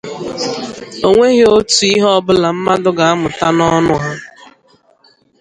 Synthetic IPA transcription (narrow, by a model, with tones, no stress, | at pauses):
o˨ŋʷe˦ɣɪ˦o˦tu˨i˦ɦɔ˦bʊ˦la˨m̩˦ma˦dʊ˦ɡa˨a˦mʊ˨ta˦nɔ˦nʊ˦ɦa˦